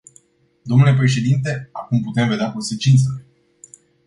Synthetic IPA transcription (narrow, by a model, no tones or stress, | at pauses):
d̪o̞mnulep̬ɾe̞ʃe̞d̪int̪e̞akumput̪e̞mve̞d̪eako̞nse̞t͡ʃint̪sele̞